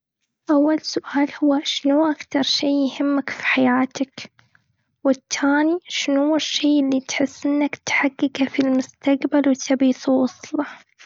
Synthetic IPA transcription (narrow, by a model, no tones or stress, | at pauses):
ʔawːalsʊʔaːlhʊwːaʃɪnuʔakt̪ɑɾˤʃiːjhɪmːakfi̥ħajaːt̪ak | wɪt̪ʰːaːniʃɪnhʊwːɪʃːiːʔɪlːit̪ħɪsːɪnːakt̪ħaɡːɪkafilmʊst̪aqbalwɪt̪ʰabiːsuwɑsˤlɑ